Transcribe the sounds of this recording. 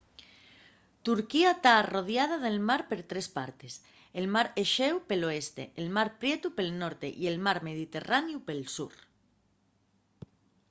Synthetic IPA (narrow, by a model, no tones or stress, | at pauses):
t̪uɾkiat̪aːroð̞jað̞aðe̞lmaɾpe̞ɾt̪ɾespa̰ɾt̪es | elmaɾeʃewpeloest̪ḛʔelmaɾpɾjet̪upelnoɾt̪ḛʔie̞lmaɾmeð̞it̪e̞ranjupelsṵɾ